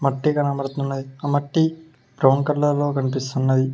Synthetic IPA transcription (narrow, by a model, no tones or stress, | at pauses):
mɐʈːikɐnɐmɐɾt̪unːɐd̪iɐmɐʈːi | bɾɐwɳkɐlːɐlo̞ːkɐnip̬ist̪unːɐd̪i